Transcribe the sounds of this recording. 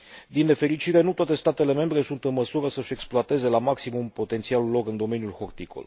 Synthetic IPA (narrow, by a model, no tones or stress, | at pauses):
d̪inːe̞fe̞ɾit͡ʃiɾe̞nut̪owat̪e̞st̪at̪e̞le̞me̞mbɾe̞sunt̪ɨnməsuɾəsəʃʲe̞ksploat̪e̞ze̞lamaksimumpo̞t̪e̞nt̪siallːo̞kɨnd̪o̞me̞njulxo̞rt̪iko̰l